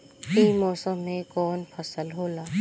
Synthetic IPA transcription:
iːmɔːsəmːẽkɔːnpʰəsəlɦoːlaː

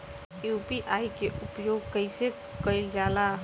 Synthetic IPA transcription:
jupiʔajkeʔʊpjoɡkəɪse | kəɪld͡ʒala

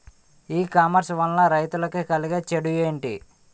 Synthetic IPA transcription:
iːkaːmɐɾsʋɐnːɐɾɐjt̪ulɐkikɐliɡeːt͡ʃeɽujeːɳʈḭ

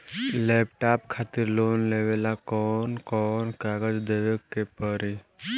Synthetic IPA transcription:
lɛːpʈaːpkʰaːt̪ɪɾloːnleʋelakɔːnkɔːnkaːɡəd͡ʒd̪ewekepəɾi

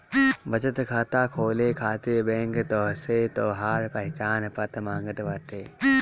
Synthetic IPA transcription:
bɐt͡ʃət̪kʰaːt̪aːkʰoːleːkʰaːt̪ijbɛ̃ːŋkt̪oːɦset̪oːɦaːɾpɐɦɪt͡ʃaːnpɐt̪mãːŋɡəʈʋaʈ̪eː

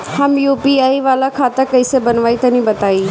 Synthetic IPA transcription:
hɐmjuːpiaːiʋaːlakʰaːt̪akɐisebɐnʋaːit̪ɐnĩbɐt̪aːiː

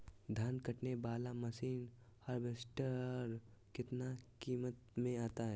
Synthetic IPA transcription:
d̪ʱaːnkəʈnebaːlamɐsiːn | həɾbeːsʈəɾkɪt̪nakiːmət̪mẽaːt̪aɦɛː

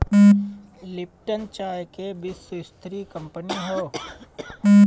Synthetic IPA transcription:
lɪp̚ʈənt͡ʃaːjkebɪsʊɪst̪ɾikə̃mpəniɦoː

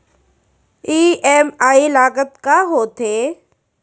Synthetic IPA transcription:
iːeːmaːilaːkət̪kaɦoːt̪ʰeː

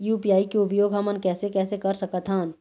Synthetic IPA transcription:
juːpijaːikeʊbjoːɡɦɐmənkɛːsekɛːsekɐɾsɐkət̪ɦãːn

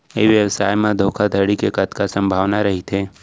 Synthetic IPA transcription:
eʋjəʋsaːjmãd̪ʱoːkʰad̪ʱəɽikekət̪kasə̃mbʱaːʋnaɾɐɦit̪ʰeː

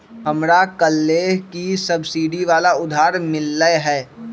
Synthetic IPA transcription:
ɦɐmɾakəlːeːɦkisɐbsiːɖiʋaːlaʊd̪ʱaːɾmɪlːəɦɛː

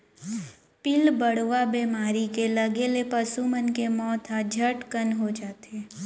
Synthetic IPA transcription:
pɪlbəɽ̤ʋabeːmaːɾikelɐɡelepəsumənkemɔːt̪ɦad͡ʒʱəʈkənɦod͡ʒaːt̪eː

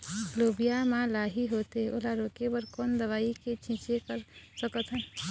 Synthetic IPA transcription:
lobijamãlaɦiɦot̪eolaɾokebəɾkond̪əβaiket͡ʃʰĩt͡ʃekəɾsəkət̪ʰɦən

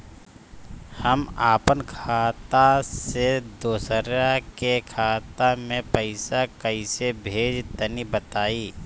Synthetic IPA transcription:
həmaːpənkʰaːt̪ased̪oːsəɾakekʰaːt̪amẽpəɪsakəisebʱeːd͡ʒt̪ənibət̪aːiː

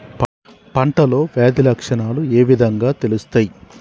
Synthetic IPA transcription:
pɐɳʈɐlo̞ːʋjaːd̪ilɐkʂɐnaːlueːʋid̪ʱɐŋɡaːt̪e̞lust̪aːji

